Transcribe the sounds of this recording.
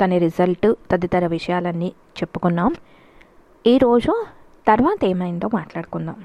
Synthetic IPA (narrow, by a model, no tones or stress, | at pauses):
k̪ɐniɾizɐlʈt̪ɐd̪it̪ɐɾɐʋiʂɐjaːlɐnːiː | t͡ʃe̞pːu̥kunːaːm | iːɾo̞ːd͡ʒu | t̪ɐɾʋaːt̪ɛːmɐjint̪o̞ːmaːʈlaːɽukunːaːm